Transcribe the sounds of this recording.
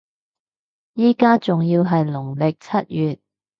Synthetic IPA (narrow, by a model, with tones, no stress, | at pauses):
jiː˥kaː˥t͡sʊ˨ŋjiː˧wɦɐ˨jlʊ˨˩ŋlɪ˨k̚t͡sʰɐ˥t̚jyː˨t̚